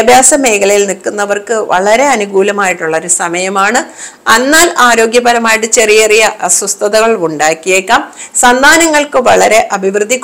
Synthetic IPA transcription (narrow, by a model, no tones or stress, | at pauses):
ɐbʱjaːsɐme̞ːkʰɐlɐjilnikːunːɐʋɐrkɨʋɐ̰ɭɐɾe̞ɐnuɡuːlɐmaːjiʈːuɭːɐoɾusɐmɐjɐmaːɳɨɐnːaːlaːɾo̞ːɡjɐbɐɾɐmaːjiʈːɨt͡ɕe̞rijerijɐʔsɐst̪ʰɐðɐɣɐɭuɳɖaːkːijeːkːaːmsɐnd̪ʱaːnɐŋːɐɭkɨʋɐɭɐɾe̞ʔɐbʱiʋrɨd̪ʱːikʲː